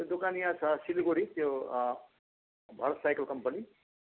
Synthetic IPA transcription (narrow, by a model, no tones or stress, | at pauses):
t̪od̪ukaːnijasasiliɡoɽit̪jo | bʱɐɾət̪sajkəlkɐmpəni